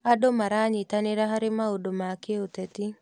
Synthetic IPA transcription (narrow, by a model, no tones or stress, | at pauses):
adomaɾaɲɪtaneɾaɦaɾɪmaodomakeotɛti